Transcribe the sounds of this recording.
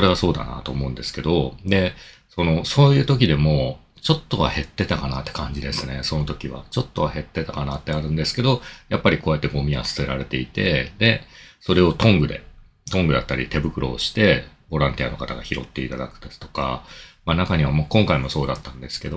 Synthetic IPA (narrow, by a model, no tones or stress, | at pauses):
so̞ɾe̞βaso̞ːd̪a̰na̰t̪o̞ːmo̞ɯ̟̃nd̪e̞sɨ̥ke̞d̪o̞d̪e̞so̞no̞so̞ːjɯ̟ːt̪o̞kʲid̪e̞mo̞ | t͡ɕo̞t̪ːo̞βa̰he̞t̪ːe̞t̪akanat̪ːe̞kãɲ̟d͡ʑid̪e̞sɨne̞so̞no̞t̪o̞kʲiβa̰t͡ɕo̞t̪ːo̞βahe̞t̪ːe̞t̪akanat̪ːe̞aɾɯ̟̃nd̪e̞sɨ̥ke̞d̪o̞japːaɾʲiko̞ːjat̪ːe̞ɡo̞mʲia̰sɨ̥se̞ɾaɾe̞t̪e̞it̪e̞d̪e̞so̞ɾe̞o̞t̪õ̞ŋɡɯ̟d̪e̞̰ | t̪õ̞ŋɡɯ̟d̪a̰t̪ːaɾʲḭt̪e̞bɯ̟kɯ̟ɾʔo̞̰ːɕi̥t̪e̞bo̞ɾãnt̪ia̰no̞kat̪aɡaçiɾo̞̰t̪ːe̞it̪ad̪akɯ̟̥t̪asʲi̥t̪o̞̥ka̰manakaɲ̟iβ̞amakõŋkaimo̞so̞ːd̪at̪ːãnd̪e̞sɨ̥ke̞d̪o